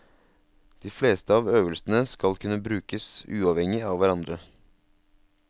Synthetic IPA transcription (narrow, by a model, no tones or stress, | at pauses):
d̪̥iːfleːst̪əɑːʋøːʋəlsn̩əskɑlkʰʉnːəbɾʉːkəsʉːɑʋɛŋɪɑːʋʋæɾɑnd̪ɾə